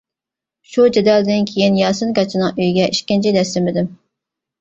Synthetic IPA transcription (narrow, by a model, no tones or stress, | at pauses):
ʃud͡ʒɛd̪ɑlˠd̪ɪnkʲʰejinjɑːsɨnkɑt͡ʃʰɪnɨŋʔøjɡʲɛʔiʃkʲɪnt͡ʃʰid̪ɛst̪ɪmɪd̪ɪm